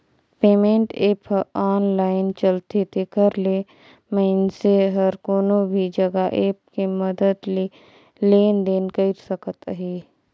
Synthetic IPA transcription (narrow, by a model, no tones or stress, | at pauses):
peːmẽːɳʈeːpʰaːnlaːɪnt͡ʃəlt̪et̪ʰekəɾle | məɪnseɦɐɾkoːnobʱid͡ʒɐɡaʔeːp̚kiməd̪əd̪le | leːnd̪eːnkəɪɾsəkət̪ɦeː